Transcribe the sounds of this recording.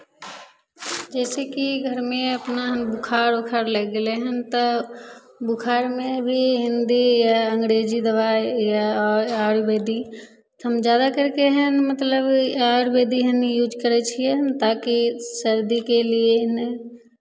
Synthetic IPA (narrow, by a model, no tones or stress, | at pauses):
d͡ʒɛːsekiɡʱəɾmẽɐpnaɦənbʊkʰaːɾʊkʰaːɾləɡɡleɦənt̪o | bʊkʰaːɾmẽbʱiɦɪ̃nd̪ijaə̃ŋɡɾeːd͡ʒid̪əʋajaɔɾaːɾbeːd̪i | t̪əmd͡ʒjaːd̪akəɾkeɦənmət̪ləbaːɽbeːd̪iɦənjuːd͡ʒkəɾet͡ʃʰient̪aːkisəɾd̪ikelien